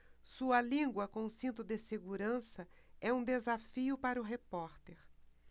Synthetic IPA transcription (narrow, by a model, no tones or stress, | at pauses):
suɐlĩɡwɐkõsĩnt̪ʊd̪ɪseɡuɾɐ̃sɐ | ɛũd̪ezafiʊpaɾʊɦepɔɾt̪eɾ